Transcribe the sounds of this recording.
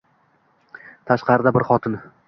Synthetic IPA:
t̪ʰaʃqɑɾɪd̪abɪɾχɒt̪ʰɪn

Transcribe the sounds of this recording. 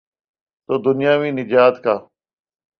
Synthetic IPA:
t̪oːd̪ʊnɪjaːʋĩːnɪd͡ʒaːt̪kaː

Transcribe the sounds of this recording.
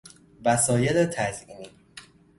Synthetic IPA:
væsɒːjelet̪ʰæzʔiːniː

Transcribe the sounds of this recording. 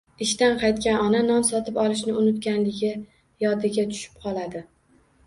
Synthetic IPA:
ɪʃt̪anqʰɑjt̪kʲanɒnanɒnsɒt̪ʰɪpɒlˠɪʃ̬nɪʊnʊt̪̚ɡʲanlɪɡʲɪ | jɒd̪ɪɡʲat̪ʰʊ̥ʃɪ̥p̚qʰɒlˠad̪ɪ

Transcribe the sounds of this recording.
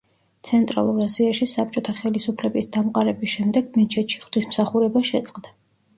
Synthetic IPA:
t̪sʰɛnt̪ʼɾa̰lˠuɾaziaʃisap̚ʰt͡ʃʼɔt̪ʰaχɛlisupʰlɛbisd̪amqʼaɾɛbisʃɛmd̪ɛɡmɛt͡ʃʰɛt̪ʃi̥χd̪̥ismsaχuɾɛbaʃɛt̪sʼqʼd̪a

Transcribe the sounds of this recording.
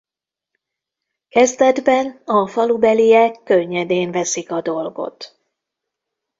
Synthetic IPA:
kɛzd̪ɛd̪bɛnɒfɒlubɛlijɛkːøɲːɛd̪eːɱvɛsikɒd̪o̞lɡo̞̰t̪

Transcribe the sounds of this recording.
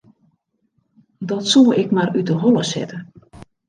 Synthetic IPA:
dɔtsulˠɪkmarytəɦolˠəsɛ̰tə

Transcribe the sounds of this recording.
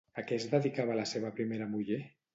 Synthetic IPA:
akɛzd̪əðikaβalaseβapɾimeɾamuʎe

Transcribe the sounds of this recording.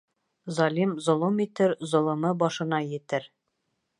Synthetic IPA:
zɒlʲimzŏlˠomit̪ɘɾzŏlˠŏmɤbɒʃɤ̆nɑjɘ̆t̪ɘɾ

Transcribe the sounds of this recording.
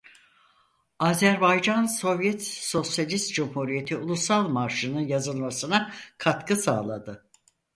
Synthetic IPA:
aːzæɾbajd͡ʒanso̞vjɛt̪so̞sjalʲist̪d͡ʒumhuɾije̞t̪ʰiulˠusalˠmaɾʃɯnɯnjazɯlˠmasɯnakʰat̪kʰɯsa̰ːlˠad̪ɯ

